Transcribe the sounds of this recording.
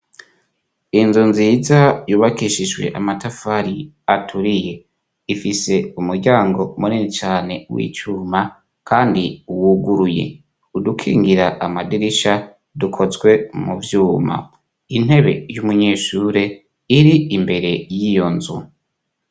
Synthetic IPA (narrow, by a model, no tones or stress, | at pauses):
inzunzizajuːβakiʃiʒɡwe̞̰ʔamatafaɾi | atʰuɾije̞ | ifise̞umuɾɟaːŋɡo̞muninit͡ʃaːne̞wḭːt͡ʃuːma | kʰaːndiuwuɡuɾuje̞̰ | udukʰḭːŋɡiɾaʔamadiɾiʃa | dukʰo̞zɡwe̞muvjuːma̰ | in̥he̞βe̞̰jumuɲeːʃuːɾe̞ | iɾiimbe̞ɾe̞jijo̞nzu